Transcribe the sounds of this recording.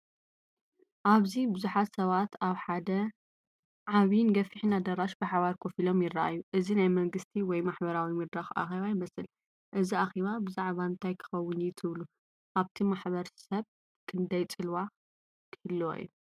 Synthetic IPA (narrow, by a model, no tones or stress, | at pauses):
ʔaβzibɨzuħat̪sɐβat̪aβħad̪ɐ | ʕaβnɡɐfiħinad̪ɐɾaʃbɨħaβaɾkʰofilo̞mjɪrːaʔa̰jːuʔɨzinajmɐŋɡɨst̪ʰiwɔjmaħbɐɾawimɐd̪ɾaxa̰xeβajɪmɐsɨl | ʔɨziaxiβabɨzaʕβaɨnt̪ʰajkʰɨ̥xɐwːʊnjɪt̪ʰɨβlu | ʔaβt̪ʰimaħβɐɾsɐβ | kʰɨnd̪ɐjt͡sʼɨlwa | kʰɨ̥hɨl̰ːʔḭːu